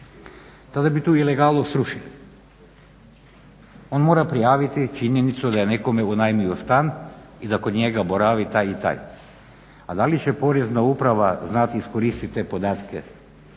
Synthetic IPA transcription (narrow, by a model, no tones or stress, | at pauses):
t̪ad̪abit̪uːileɡalˠnosɾuʃili | o̞nmo̞ɾapɾijaːʋit̪it͡ʃiɲje̞nit̪sud̪aje̞neko̞meunajmiost̪anid̪ako̞d̪ɲeɡabo̞ɾaʋit̪aːjit̪a̰j | ad̪alit͡ɕe̞po̞ɾeznaupɾaʋaznat̪iiskoɾist̪it̪ːepo̞d̪aːt̪ke